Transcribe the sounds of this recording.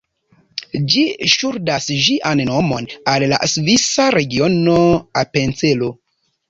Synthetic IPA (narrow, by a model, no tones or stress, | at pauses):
d͡ʒiʃuɾdasʒiʔanno̞mo̞nalla̰svisaɾe̞ɡio̞noape̞nt͡selo